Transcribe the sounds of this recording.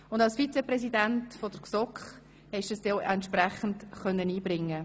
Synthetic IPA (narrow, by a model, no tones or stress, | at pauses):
ʊndɑlsfit͡sɛprɛsidæntfɔd̥əɾksɔkχ | hɛʃəsdɛʔɛntʃprɛχən̩tχœnːəniːbɾɪŋːə